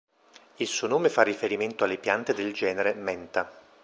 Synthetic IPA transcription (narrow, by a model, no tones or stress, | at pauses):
ilsuːonoːmefarːifeɾiment̪oalːepjant̪ed̪eld͡ʒɛːneɾemɛnt̪a